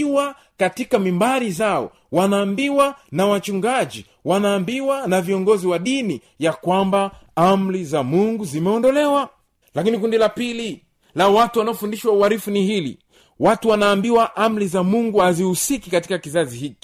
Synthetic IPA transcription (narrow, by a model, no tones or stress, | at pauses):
wa | katikamimbaɾizaɔ̰ | wanaːmbiwanawat͡ʃuŋɡaʄi | wanaːmbiwanaviɔŋɡɔziwaɗini | jakwambaam̩lizamuŋɡuzimɛɔndɔlɛwa | lakinikundilapili | lawatuwanaɔfundiʃwauaɾifuniɦilḭ | watuwanaːmbiwaʔam̩lizamuŋɡuhazihusikikatikakizaziɦiki̥